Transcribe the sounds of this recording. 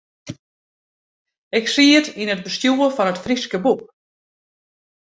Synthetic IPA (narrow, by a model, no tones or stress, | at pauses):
ɪksiːətinət̚bəstjuːəfɔnətfriskəbuk̚